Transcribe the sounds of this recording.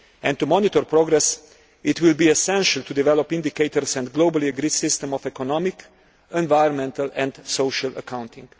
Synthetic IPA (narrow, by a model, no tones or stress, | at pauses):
ɛ̃nt̪umɔnit̪ɔɾpɾɔɡɾɛs | ʔɪt̪wɪlbiɛsɛ̃nʃəlt̪ud̪ivɛlɔpɪ̃nd̪ikeɪt̪ɔɾsɛ̃nd̪ɡloʊbəliəɡɾidsɪst̪ɛ̃mɔfɛkɔnɔmɪk | ɛ̃nvajə̃nmɛ̃nt̪əlɛ̃nd̪soʊʃalə̰kʰãw̃nt̪ĩŋɡ